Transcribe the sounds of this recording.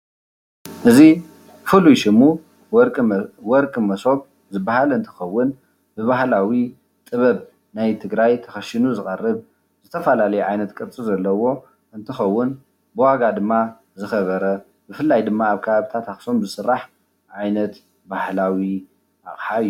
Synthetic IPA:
ʔɨzi | fɨlujʃɪmu | wɔɾkʼmɐso̞β | zɨbːahalɨnt̪ʰɨ̥xɐwːʊn | b̥ɨβahlawi | t̪ʼɨβɐβ | najt̪ʰɨɡɾajt̪ʰɐxɐʃinuzɨχʼɐrːɨβ | zɨt̪ʰɐfɐlalɐjuʕajnɐt̪kʼɨɾt͡sʼizɐlːɐwo̞ | ʔɨnt̪ʰɨxɐwːʊn | bɨwaɡad̪ɨmːa | zɨxɐβɐɾɐ | bɨfɨlːajd̪ɨmːaːβkʰɐβaβɨt̪ʰat̪axso̞mzɨsɨrːaħ | ʕajnɐt̪ | bahlawi | ʔa̰χʼħaɨjːu

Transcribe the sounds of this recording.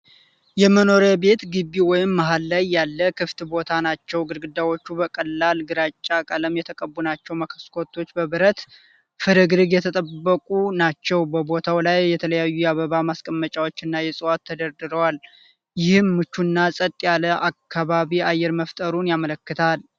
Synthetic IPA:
jɛməno̞ɾəbe̞t̪ɡɨbːiwɔjɪmːaɦalːajːalːəkʰɨft̪bo̞t̪ʰanat͡ʃːɛwɡɨɾɡɨd̪awo̞t͡ʃːubəkʼəlːalɡɨɾat͡ʃʼːakʼələmjɛt̪ʰəkʼəbːunat͡ʃːɛwməkʰə̥skʰo̞t̪ʰːo̞t͡ʃːbəβɨɾət̪ | fɨɾɨɡɨɾɨɡjɛt̪ʰət̪ʼəbːəkʼunat͡ʃːɛwbəbo̞t̪ʰawlajːɛt̪ʰələjajːujɛaβəβamaskʼəmːət͡ʃʼawo̞t͡ʃːɨnːajɛsʼɨwat̪ʰːəd̪əɾd̪ɨɾəwal | jɪhɨmːɨt͡ʃːunːasʼət̪ʼːjaləʔakʰːaβaβiajːɛɾməft̪ʼəɾunjamələkːɨt̪ʰal

